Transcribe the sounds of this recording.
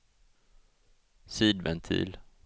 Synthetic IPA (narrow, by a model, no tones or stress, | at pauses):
siːd̪vɛnt̪ʰḭːl